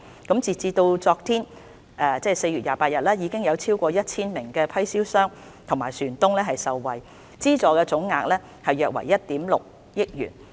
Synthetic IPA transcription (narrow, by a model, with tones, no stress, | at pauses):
kɐ˨˥mt͡siː˨˩t͡siː˧t̪o˧wt͡sɔː˧k̚t̪ʰiː˥n | ʔɛː˧t͡sɛː˥˩se˧jɥyː˨˩jaː˨˩paː˧t̚jɐ˨t̚lɛː˥jiː˨˧kɪ˥ŋjɐ˨˧wt͡sʰiː˥wkʷɔː˧jɐ˥t̚t͡sʰiː˥nmɪ˨˩ŋkɛː˧pʰɐ˥jsiː˥wsœː˥ŋ | t̪ʰʊ˨˩ŋmaː˨˩jsyː˨˩nt̪ʊ˥ŋlɛː˥ɦɐ˨jsɐ˨wːɐ˨˩j | t͡siː˥t͡sɔː˨˩kɛː˧t͡sʊ˨˥ŋːaː˧k̚lɛː˥ | hɐ˨jːœː˨k̚wɐ̰˨˩jːɐ˥t̚t̪iː˨˥mlʊ̰˨k̚ | jɪ˥k̚jy̰ː˨˩n